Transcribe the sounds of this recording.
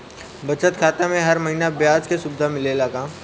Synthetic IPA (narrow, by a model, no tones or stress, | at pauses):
bɐt͡ʃət̪kʰaːt̪amẽɦɐɾmɐɦiːnabjaːd͡ʒkesʊbd̪ʱamɪlelaːkãː